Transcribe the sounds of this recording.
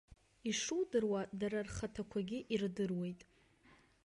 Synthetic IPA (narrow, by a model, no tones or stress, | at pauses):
iʂudɨrwadaɾarχatʰakʷʰaɡʲɪʔirdɨrwe̞jtʼ